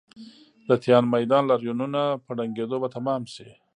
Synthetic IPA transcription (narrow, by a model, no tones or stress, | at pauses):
d̪ət̪jɑnmajd̪ɑnlaɾjununapəɖaŋɡed̪obat̪amɑmsi